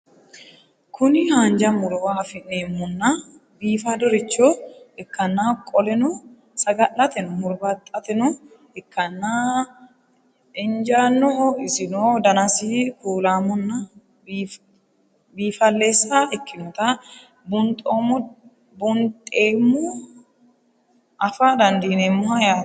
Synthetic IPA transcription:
kʰʊnɪhaːnd͡ʒɐmʊɾɔwafɪnːeːmːʊnːa | biːfad̪ɔɾɪt͡ʃːoɛkːɐnːaːkʼɔlɛnʊ | sɐɡɐʔɐt̪ɛnʊmʊɾbɐt̪ʼɐt̪ɛnʊ | ɛkʰːɐnːaː | ɪnd͡ʒaːnːɔɪsɪnoːd̪ɐnɐsikuːlaːmʊnːa | b | biːfɐlːeːsːaːɛkːɪnʊt̪a | bʊnt̪ʼoːm | bʊnt̪ʼeːmːo | ɐfaːd̪ɐnd̪iːnɛmːohɐjaː

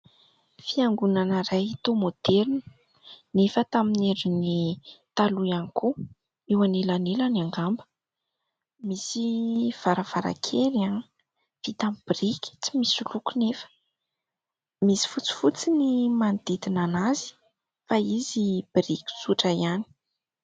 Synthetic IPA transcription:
fiaŋɡunanəɾajt̪omod̪̥eɾn | nefət̪amineɾinit̪aluaniku | ewanelanelanaŋɡambə̥ | misiv̥aɾəv̥aɾa̰kʰeɾan | v̥it̪amb̥irikʲi̥t͡si̥misulukunefə̥ | misi̥fut͡si̥fut͡sinimand̪id̪inanazi̥ | faizib̥iɾikʲi̥suʈ͡ʂaiani̥

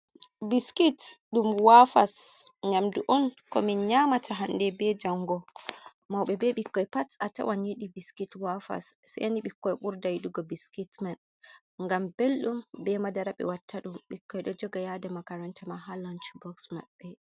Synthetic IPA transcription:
biskitɗumwafasɲamduʔɔnkɔminɲamatʰaɦandɛbɛd͡ʒaŋɡɔ | mawɓɛbɛɓikːɔjpasata̰waɲiɗibiskitwafa̰sːa̰janiɓikːɔjɓuɾdajɗuɡɔbiskitman | ŋɡambelɗumbɛmadaɾaɓɛ̰watʰːaɗumɓikːɔjɗɔd͡ʒɔɡajadamakaɾɔntʰɛmaɦalɔnt͡ʃbɔksma̰ɓːɛ

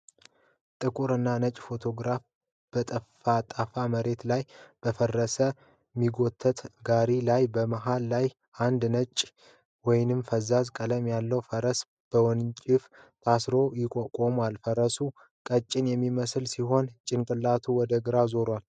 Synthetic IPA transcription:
t̪ʼɨkʼuɾɨnːanət͡ʃʼːfo̞t̪ʰo̞ɡɾaf | b̥ət̪ʼəfat̪ʼafaməɾe̞t̪lajb̥əfərːəsə | mːiɡo̞t̪ʰːət̪ɡaɾilajbəmaɦalːaj | ʔand̪nət͡ʃʼː | wɔjnɨmfəzazkʼələmjalːəwfəɾəs | b̥əwɔnt͡ʃʼɪft̪ʰasɾo̞jɪkʼokʼomalfəɾəsu | kʼət͡ʃʼːɪnjɛmːiməslsiɦo̞nt͡ʃʼɪnkʼɨlːat̪ʰuwɔd̪əɡɨɾazo̞ɾwal

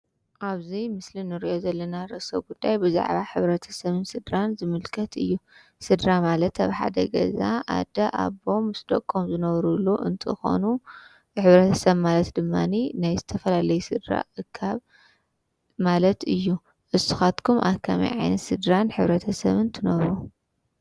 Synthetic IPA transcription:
ʔaβzimɨslinɨɾiʔo̞zɐlːɐnaɾɐsɐβɡud̪ːajbɨza̰ʕβaħɨβɾɐt̪ʰɐ̥sɐβɨnsɨd̪ɾanzɨmɨlkʰɐt̪ʰɨ̰jːu | sɨd̪ɾamalɐt̪a̰βħa̰d̪ɐɡɐ̰zaʔa̰d̪ɐʔa̰βo̞mɨsd̪okʼomzɨnɐβɾulːuʔɨnt̪ʰɨxo̞̰nu | ħɨβɾɐt̪ʰɐ̥sɐβmalɐt̪d̪ɨmːaninajzɨt̪ʰɐfɐlalɐjusɨd̪ɾa̰ʔɨkʰːaβ | malɐt̪ɨjːu | ʔɨsu̥xat̪kʰumʔa̰βkʰamḭjʕa̰jnɐt̪sɨd̪ɾanħɨβɾɐt̪ʰɐsɐ̰βɨnt̪ʰɨnɐβɾu

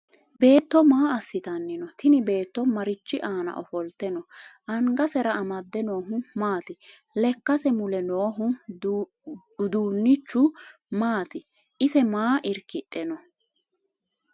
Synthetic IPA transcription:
be̞ːt̪ːɔmaːɐsːɪt̪ɐnːɪnɔt̪ʰɪnɪbe̞ːt̪ːɔmɐɾɪt͡ʃːɪʔaːnɐ̰ʔɔfɔlt̪ːɛnɔʔɐŋɡɐsɛɾɐːmɐd̪ːɛno̞ːɦʊmaːt̪ɪ | lɛkːɐsɛmʊlɛnoːɦʊ | ʊd̪uːnːɪt͡ʃːʊ | maːt̪ɪ | ʔɪsɛmaːʔɪɾkɪtʼːɛnɔ

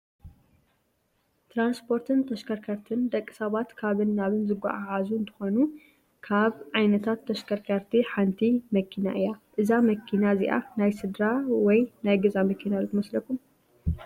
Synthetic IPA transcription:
t̪ʰɾanspʰo̞ɾt̪ʰɨnt̪ʰɐʃkʰɐɾkʰɐɾt̪ʰɨnd̪ɐkʼːi̥sɐβat̪kʰaβɨnːaβɨnzɨɡa̰ʔaʕazuɨnt̪ʰɨ̥xo̞nu | kʰaβʕajnɐt̪ʰat̪ʰːɐʃkʰɐɾkʰɐɾt̪ʰiħant̪ʰimɐkʰina̰ʔɨjaʔɨzamɐkʰːinazḭʔa̰najsɨd̪ɾawɔjnajɡɐzamɐkʰinazɨt̪ʰɨmɐslɐkʰum

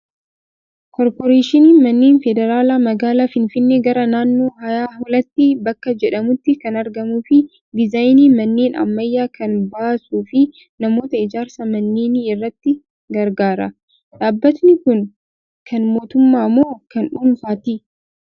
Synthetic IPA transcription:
kɔɾpɔɾeːʃɪniːmɐnːeːnfɛd̪ɛɾaːlamɐɡaːlaːfɪnfɪnːeɡɐɾɐnaːnːo̞ːɦɐjaːhɔlɐt̪ːɪbɐkːɐd͡ʒɛᶑɐmʊt̪ːɪkɐnɐɾɡɐmuːfɪ | d̪ɪzaːjniːmɐnːeːnɐ̰mːɐjːaːkʰɐnbaːsuːfɪ | nɐmo̞ːt̪ɐɪd͡ʒaːɾsɐmɐnːeːniɪrːɐt̪ːɪ | ɡɐɾɡaːɾɐ | ᶑaːbːɐt̪nɪkʊn | kʰɐnmo̞ːt̪ʊmːaːmoːkɐnᶑʊlfaːt̪ɪ

